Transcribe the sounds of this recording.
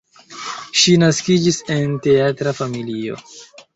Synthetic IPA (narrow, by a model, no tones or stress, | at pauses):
ʃinaskid͡ʒise̞nte̞atɾafamilio̞̰